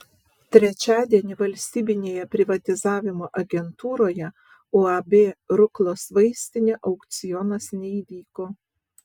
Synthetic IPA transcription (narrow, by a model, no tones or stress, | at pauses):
t̪ʲɾʲɛt͡ʃʲæːd̪ʲiɛnʲɪʋɐlʲsʲt̪ʲiːbʲɪnʲeːjɛpʲɾʲɪʋɐt̪ʲɪzɑːʋʲɪmoːʔɐɡʲɛnt̪uːɾoːjɛ | oɐbʲeːɾʊklˠoːsʋɐɪsʲt̪ʲɪnʲeʔɒʊkt̪sʲɪjɔnɐsnʲɛiːʋʲiːkoː